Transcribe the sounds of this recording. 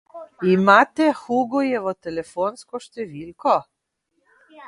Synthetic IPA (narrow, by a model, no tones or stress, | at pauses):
imat̪ɛxuɡojɛʋot̪ɛlɛfonskɔʃt̪ɛʋiːlko